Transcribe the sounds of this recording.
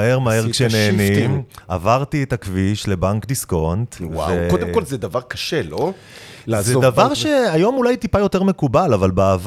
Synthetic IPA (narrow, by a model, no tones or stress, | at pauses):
heʁmaheʁkʃeneːnimʔavaʁtietakviʃle̞baŋkdisko̞ntwa̰ekod̪emkolzed̪avaʁkaʃelo | lazedavaʁʃeajo̞mulajtipajo̞te̞ʁme̞kubalavalbaav